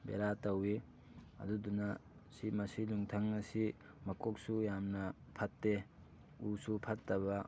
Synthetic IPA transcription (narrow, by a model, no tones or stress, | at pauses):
bḛɾatɐwi | ɐ̰dudunɐ | simɐsiluŋtʰɐŋnɐsi | mɐkok̚sujamnɐ | pʰɐtːe | usupʰɐtːɐβɐ